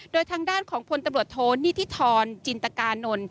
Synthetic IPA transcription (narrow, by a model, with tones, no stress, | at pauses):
doː˧jt̪ʰaː˧ŋdaː˥˩nkʰɔː˩˦ŋpʰo˧nt̪a˧mɾu˨˩ət̪ʰːoː˧niː˥˩t̪ʰiː˦˥˩t̪ʰɔː˧nt͡ɕi˧nt̪a˧kaː˧nːo˧n